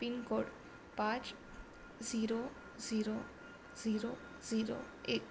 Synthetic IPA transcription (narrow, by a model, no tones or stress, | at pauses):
pinkoɖ | pãt͡ʃ | ziɾo | ziɾo | ziɾo | ziɾo̰ | ek